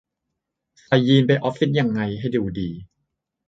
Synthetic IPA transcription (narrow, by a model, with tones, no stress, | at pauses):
kʰa˨˧˩jːiː˧npa˧jʔɔː˦˥pfi˦˥t̪̚ja˧ŋːa˧jɦa˥˩jduː˧diː˧